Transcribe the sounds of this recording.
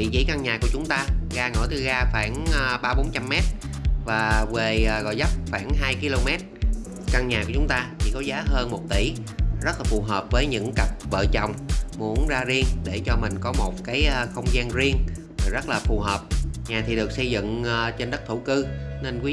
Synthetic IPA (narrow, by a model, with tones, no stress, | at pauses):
vḭ˧˨zḭ˧˥˦ka˧ŋɲaː˨˩ku˧˩ət͡ɕʊ˨˦ŋ͡mt̪aː˧ɣaː˧ŋo˧˩jt̪ɨ˨˩ɣaː˧xwaː˧˩nː˨ɓaː˧ɓo˨˦nt͡ɕa˧mːɛ˦˥t̚vaː˨˩ve˨˩ʔːɣɔ̰˧˨jzə˦˥p̚xwaː˧˩ŋɦaː˧jki˧lo˧mɛ˦˥t̚ | ka˧ŋɲaː˨˩ku˧˩t͡ɕʊ˨˦ŋ͡mt̪aː˧t͡ɕʰḭ˧˩kɔ˨˦zaː˨˦ɦəː˧nmo˨˩t̚t̪i˧˩˦ | zə˦˥t̚laː˨˩fu˨˩ɦəː˨˩p̚vəː˨˦jɲɨ̰˧˥ŋkə˨˩p̚və̰ː˧˨t͡ɕɔ˨˩wŋ͡mmu˨˦ənzaː˧zi˧əŋɗe˧˩t͡ɕɔ˧mï˨˩ŋ̟kɔ˨˦mo˨˩t̚kaː˨˦jʔəː˧xə˧wŋ͡mzaː˧nzi˧əŋ˨˩ | zə˦˥t̚laː˨˩fu˨˩ɦəː˨˩p̚ɲaː˨˩t̪ʰi˨˩ɗɨ˨˩k̚sə˧jzɨ̰˧˨ŋː˨˩t͡ɕe˧nɗə˦˥t̚t̪ʰu˧˩kɨ˧ne˧nkwi˨˦